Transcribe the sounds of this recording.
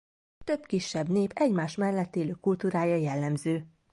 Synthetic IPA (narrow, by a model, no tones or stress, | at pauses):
t̪ø̞bkiʃːɛbneːpʰɛɟmaːʃmɛlːɛt̪ːeːløːkult̪uːɾaːjɒjɛlːɛmzøː